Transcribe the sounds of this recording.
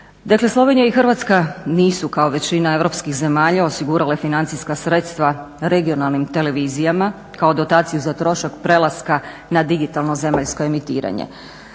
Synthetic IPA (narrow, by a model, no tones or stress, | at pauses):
d̪akle̞slˠo̞ʋe̞nijaixrʋat̪skaniːsukao̞ʋe̞t͡ɕinae̞ʋɾo̞pskixze̞maːʎao̞siɡuɾalafinant̪siskasɾet̪st̪ʋa | ɾe̞ɡio̞nalˠnimt̪e̞le̞ʋiːzijama | kao̞d̪o̞t̪aːt̪sijuzat̪ɾo̞ʃakpɾe̞lˠaska | nad̪iɡit̪alˠno̞ze̞maʎskoe̞mit̪ḭːɾa̰ɲḛ